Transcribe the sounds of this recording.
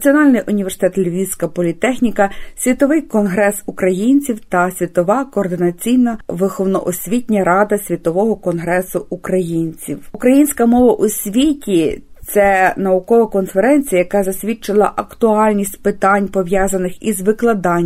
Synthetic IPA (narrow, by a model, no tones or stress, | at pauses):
nt͡sʲiɔnɑlʲnɪjʔʊnʲiʋʲersɪt̪ɛt̪lʲʋʲijsʲkɐpɔlʲit̪ɛxnʲikɐsʲʋʲit̪ɔʋɪjkɔnɦɾɛsukɾɐjinʲt͡sʲiwt̪ɐsʲʋʲit̪ɔʋɑkɔːrd̪ɪnɐt͡sʲijnɐʋɪxɔwnɔ̰ʔɔsʲʋʲitʲnʲɐɾɑd̪ɐsʲʋʲit̪ɔʋɔɦɔkɔnɦɾɛsʊukɾɐjinʲt͡sʲiwukɾɐjinʲsʲkɐmɔʋɐʔusʲʋʲitʲit̪sɛnɐukɔʋɐkɔnfeɾɛnʲt͡sʲijɐjɐkɑzɐsʲʋʲit͡ʃɪlˠɐʔɐkt̪ʊɑlʲnʲisʲtʲpɪt̪ɑnʲpɔʋjɑzɐnɪxizʋɪklˠɐd̪ɑnʲ